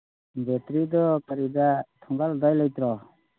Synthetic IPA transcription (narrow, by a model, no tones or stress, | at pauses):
bet̪ɾid̪ɔkaɾid̪at̪ʰɔŋɡald̪ajlajt̪ɾɔ